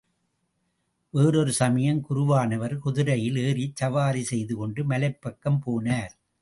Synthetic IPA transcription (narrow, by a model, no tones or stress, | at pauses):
ʋeːɾɔɾɯsɐmɐjɐmkʊɾʊʋaːnɐʋɐɾkʊðɯɾɐjɪleːrit͡ʃːɐʋaːɾisɛjðɯkɔɳɖɯmɐlɐɪpːɐkːɐmpoːnaːɾ